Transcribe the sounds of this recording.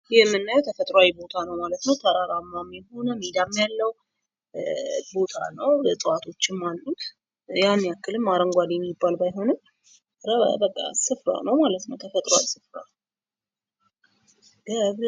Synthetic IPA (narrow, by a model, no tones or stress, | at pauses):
jɛmːɨnːajɛwt̪ʰəfət̪ʼɾoawjbo̞t̪ʰanəwmalət̪nəwt̪ʰəɾaɾamːamːiho̞nəmid̪amːjalːəw | bo̞t̪ʰa̰nəwsʼɨwat̪ʰo̞t͡ʃːɪmmanːut̪ | janːiakːɨlɨmːaɾəŋɡʷad̪jɛmːɪbːalbajɦo̞nɨm | ɾə̰bəkʼːa̰sɨfɾa̰nəwmalət̪nəwt̪ʰəfət̪ʼɾoa̰jsɨfɾa̰ | ɡ̥əβ